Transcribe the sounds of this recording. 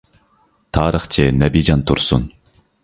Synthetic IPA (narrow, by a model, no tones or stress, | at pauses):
t̪ʰɑːɾɨχt͡ʃʰenɛbid͡ʒɑnt̪ʰuɾsun